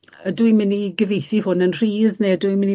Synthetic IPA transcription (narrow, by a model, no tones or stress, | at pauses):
ədujmɪniɡəvejθihʊnənr̥iːðnejədujmɪni